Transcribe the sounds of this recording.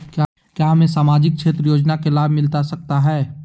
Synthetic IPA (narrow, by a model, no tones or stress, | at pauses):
kja | kjaːɦɐmẽsaːmaːd͡ʒɪk̚t͡ʃʰeːt̪ɾəjoːd͡ʒnakelaːbmɪlt̪asɐk̚t̪aɦɛː